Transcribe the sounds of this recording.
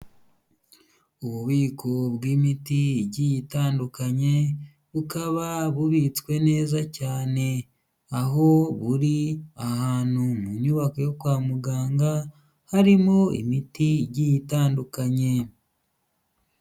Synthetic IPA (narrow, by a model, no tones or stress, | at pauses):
uβuβiːkʰoβɡwiːmitiiɟijitaːndukaɲe̞ | βukaβaβuβit͡skwe̞ne̞ːzacaːne̞ | aɦo̞βuɾiahaːn̥humuɲuβakojokwaːmuɡaːŋɡa | haɾimoḭmitiːɟijitaːndukaɲe̞